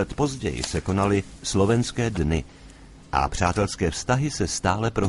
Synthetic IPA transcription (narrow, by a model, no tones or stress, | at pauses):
ɛt̪po̞zɟɛ̰jɪ̰sɛko̞nalɪslo̞vɛnskɛːdnɪ | ʔa̰pr̝̥aːt̪ɛlskɛːfst̪aɦɪsɛst̪aːlɛpɾo